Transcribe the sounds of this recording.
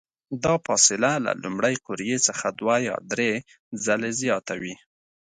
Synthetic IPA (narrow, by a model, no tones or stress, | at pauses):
d̪ɑfɑsɪlala̰lumɽajqʊɾjet͡səxad̪wajɑ̰d̪ɾe | zalezjɑt̪awi